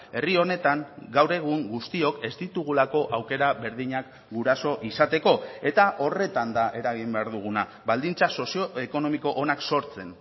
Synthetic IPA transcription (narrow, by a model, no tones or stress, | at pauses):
e̞rio̞ne̞t̪aŋɡawɾe̞ɣ̞uŋɡust̪io̞ke̞zd̪it̪uɣ̞ulako̞ʔawke̞ɾaβe̞ɾðiɲak | ɡuɾaso̞ʔisat̪e̞ko̞e̞t̪aʔo̞re̞t̪and̪aʔe̞ɾaɣimbe̞aɾðuɣ̞una | βald̪int͡saso̞sio̞e̞ko̞no̞miko̞ʔonakso̞ɾt͡se̞n